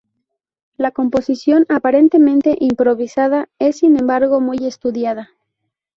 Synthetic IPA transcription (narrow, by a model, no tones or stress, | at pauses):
lako̞mpo̞sisjo̞napaɾe̞nt̪e̞mẽ̞nt̪e̞ʔimpɾo̞βisaðae̞sːinẽ̞mbaɾɣo̞muje̞st̪uðjað̞a